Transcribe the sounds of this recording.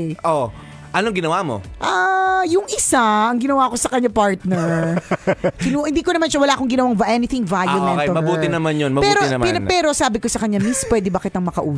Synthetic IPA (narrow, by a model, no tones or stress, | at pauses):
ʔo | ʔɐnoɐŋɡɪnɐwamo̰ʔajʊŋʔɪsaʔɐŋɡɪnɐwako̞sɐkɐɲːapaɹt̪nɛɹ | kɪnuhɪnd̪iːkonɐmanʃɐwɐlaːkoŋɡɪnɐwaŋvʔɛnɪt̪ɪŋvajɐmɛnt̪ɐmɐbuːɪnɐmanjonmɐbpɛːɾoɛnɐmɛpɛɾo̞saːbɪkosɐkɐɲamispwɛːd̪ɪbɐkɪt̪ɐŋmɐkɐʔuː